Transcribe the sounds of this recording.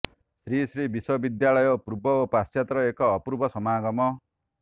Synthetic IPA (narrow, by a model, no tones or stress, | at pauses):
sɾisɾibiswɔbid̪jaɭɔjɔpɾubɔopast͡ʃjat̪ɾɔekɔːpɾubʱɔsɔmaːɡɔmɔ